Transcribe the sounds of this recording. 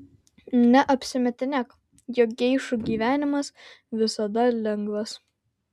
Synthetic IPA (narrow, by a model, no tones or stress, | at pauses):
nʲɛʔɐpʲsʲɪmʲɛt̪ʲɪnʲɛk | jok̚ɡʲɛɪʃuɡʲiːʋʲæːnʲɪmɐsʋʲɪsɐd̪ɐlʲɛŋɡʋɐs